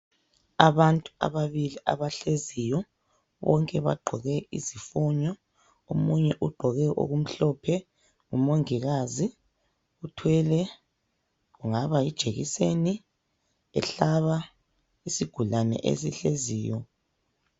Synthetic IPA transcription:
aβantʼua̰βaβiliʔa̰βaɬezijɔ | βɔ̰ŋkʼɛβa̰ɡ͡ǃʱɔɣɛizifuɲɔ | omuɲɛʔuɡ͡ǃʱɔɣɛʔo̰ɣum̩ɬɔpʰɛ | ŋumoŋiɣazi | utʰwɛlɛ | ɣuŋaβaid̥ʒ̥ʱeɣḭseni | ɛ̰ɬaβa | isiɡ̥ʱulanɛ̰ʔḛsiɬeziːjɔ

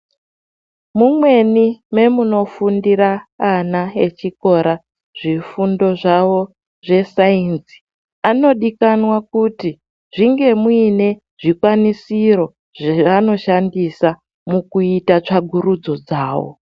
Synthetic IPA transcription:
mumwe̞nime̞muno̞fundiɾaːnae̞t͡ʃiko̞ɾa | ʐ̥ifundo̞ʐawo̞ | ʐe̞sainsi̥ | ano̞ɗikanwakuti | ʐiŋɡe̞muine̞ | ʐ̥ikwanisiɾo̞ | ʐeʋano̞ʃandisa | mukuitat͡ʂaɡʱuɾud͡zo̞d͡zaːwo̰

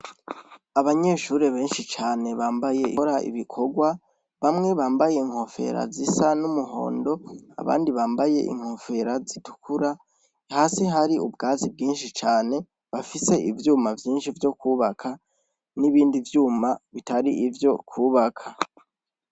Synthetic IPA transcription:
aβaɲe̞ːʃuːɾeβe̞ːnʃit͡ʃaːne̞βaːmbaje̞ʔiɾaʔḭβikʰo̞ɡwa | βamŋe̞βaːmbaje̞iŋ̥ho̞fe̞̰ɾa̰zisanumuɦo̞̰ːndo̞a̰βa̰ːndiβaːmbaje̞̰ʔḭŋ̥ho̞fe̞ɾazitu̥kʰuɾa | haːsiɦaɾiʔubɡaːzib̚ɡiːnʃit͡ʃaːne̞ | βafise̞ivjuːmavjiːnʃivjo̞kuːβakʰa | niβiːndivjuːmaβitaɾiʔivjo̞kʰuːβakʰa

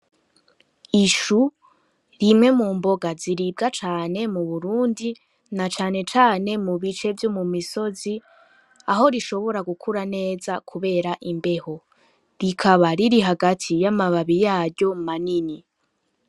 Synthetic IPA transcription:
iʃu | ɾimŋe̞muːmbo̞ɡaziɾib̚ɡat͡ʃaːne̞muβuɾuːndi | nat͡ʃaːne̞t͡ʃaːne̞muβit͡ʃe̞vjo̞mumiso̞zi | aɦo̞ɾiʃo̞βo̞ɾaɡukʰuɾane̞ːzakʰuβe̞ːɾaʔimbe̞ho̞ | ɾikʰaβaɾiɾiɦaɡatʰijamaβaβijaːɾɟo̞manini

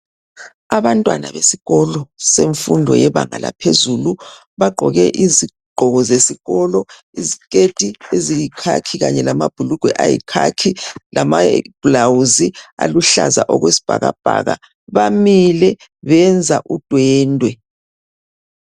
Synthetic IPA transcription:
aβantʼwana̰βesiɣɔlɔseɱfundʱɔ̰jɛβaŋala̰pʰezulu | βaɡ͡ǃʱɔɣɛʔizi | ɡ͡ǃʱɔɣɔzesiɣɔlɔ | izikʼed̥ʼʱiezijikʰakʰiɣaɲɛlamab̥ʱuluɡ̥ʱwɛʔajḭkʰakʰilamab̥lawuzialuɬazaʔɔɣwesi̥b̥ʱa̰ɣa̰b̥ʱaɣa̰ | βamilɛ | βɛnd͡zʱaʔud̥ʱwɛːndʱwɛ

